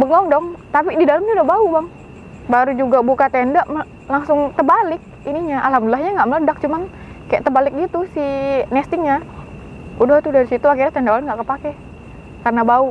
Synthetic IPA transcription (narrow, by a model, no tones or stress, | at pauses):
bəŋɔŋdɔŋt̪apididalamɲaudahbaubaŋ | baɾud͡ʒuɡabukat̪ɛndaʔmə | laŋsʊŋt̪əbalɪk̚iniɲaʔalɦhamdulahɲaŋaʔmldak̚t͡ʃuman | kajaʔt̪ərbalɪk̚ɡit̪usinɛst̪ɪŋɲa | udaht̪udaɾisit̪uakirɲat̪ɛndawanŋɡaʔkəpakɛ | karnabau